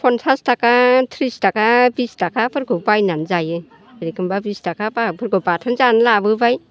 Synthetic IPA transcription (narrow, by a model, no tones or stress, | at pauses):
pʰɔnsʰastakatʰɾistakabistakʰapʰɯɾkʰɯbajnanzajɯ | ɯɾikɯmbabistakapapʰɯɾkʰɯbatʰɯnzanlabɯbaj